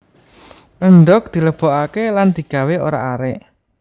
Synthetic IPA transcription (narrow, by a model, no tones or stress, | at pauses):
ʔəɳɖɔk̚d̪̥i̤ləb̥ɔ̤ʔakeland̪̥i̤ɡ̥a̤weo̰ɾa̰ʔaɾɛʔ